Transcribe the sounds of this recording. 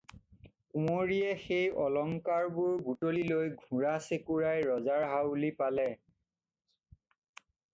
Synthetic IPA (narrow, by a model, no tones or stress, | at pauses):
kumoɹijɛxejɔlɔŋkaɹbʊɹbutolilojɡʱũɹasekuɹajɹɔzaɹɦawlipalɛ